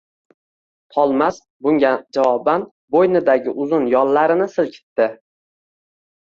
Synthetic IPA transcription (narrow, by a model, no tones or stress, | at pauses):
t̪ʰɒlˠmas | bʊŋʲad͡ʒavɒban | bojnɪd̪aɡʲɪʔʊzʊnjɒlˠːaɾɪnɪsɪlkʲʰɪ̥t̪ːɪ